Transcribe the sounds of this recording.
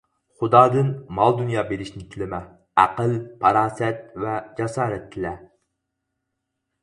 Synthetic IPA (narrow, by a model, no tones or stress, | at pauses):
χʊd̪ɑːd̪ɨnmɑlˠd̪unjɑːbeɾɪʃnɪkʲʰilɪmɛ | æqəlpʰɑɾɑːsɛt̪̚vɛd͡ʒɑsɑːɾɛt̪ʰːɪlɛ